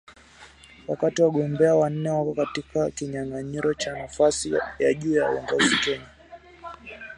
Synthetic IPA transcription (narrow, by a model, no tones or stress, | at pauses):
wakatiwaɠɔmbɛawan̩ːɛwakɔkatikakiɲaŋaɲiɾɔt͡ʃanafasijaʄuːjawɔ̰ŋɡɔzikɛɲa